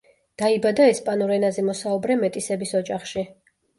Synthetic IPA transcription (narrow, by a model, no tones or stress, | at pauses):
d̪̥aibad̪aɛspʼanɔɾɛnazɛmɔsaubɾɛmɛt̪ʼisɛbisɔd͡ʒʼaχʃi